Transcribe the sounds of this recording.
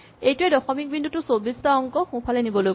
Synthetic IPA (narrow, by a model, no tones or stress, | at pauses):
ejtʊɛdɔxɔmik̚bindutʊsobistaɔŋkɔxũpʰalɛnibɔloj